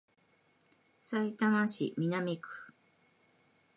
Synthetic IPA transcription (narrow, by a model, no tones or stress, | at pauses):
sait̪amaɕḭmʲinamekɯ̥